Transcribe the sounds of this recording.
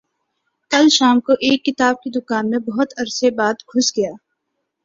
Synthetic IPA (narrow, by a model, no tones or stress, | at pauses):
kɐlʃaːmkoʔeːkːɪt̪aːb̚kid̪ʊkaːnmẽbɐɦʊt̪ɐɾsebaːd̪kʰʊsɡɐjaː